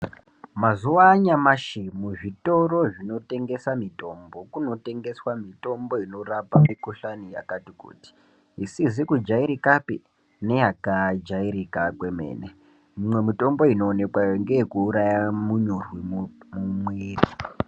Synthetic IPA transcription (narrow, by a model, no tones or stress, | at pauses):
mazuʋaɲamaʃimuʐito̞ɾo̞ʐino̞te̞ŋɡe̞samito̞mbo̞kuno̞te̞ŋɡe̞swamito̞mbo̞ino̞rapamikuɬanija̰katikṵːti̥ | isizikud͡ʒaiɾikapi | ne̞jakad͡ʒaiɾikakwe̞me̞̰ːne | mumwe̞mito̞mbo̞ino̞ːne̞kwajŋɡejekuːɾajamuɲurwimumwiːri